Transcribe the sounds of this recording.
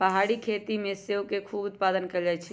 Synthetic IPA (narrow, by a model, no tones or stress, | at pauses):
pəɦaɽikʰet̪imeseokekʰubut̪̚pad̪ənkəd͡ʒat͡ʃʰɛ